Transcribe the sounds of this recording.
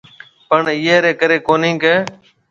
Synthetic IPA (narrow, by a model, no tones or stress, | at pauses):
pəɳɪːeːɾeːkəɾeːkoːnĩːkeː